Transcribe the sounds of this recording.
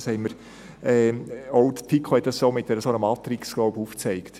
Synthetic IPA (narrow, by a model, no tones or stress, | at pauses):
shɛɪməɾ | ɛːoʊdtʰikʰχohɛt̚d̥ɑssomɪtd̥ɛɾəsonəmɑtɾɪksɡ̥lɔʊbuːft͡sɛɪkt